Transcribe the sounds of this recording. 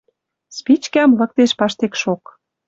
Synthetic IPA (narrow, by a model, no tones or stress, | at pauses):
spit͡ɕkæmlə̆k̚t̪eʃpɑʃt̪ekʃok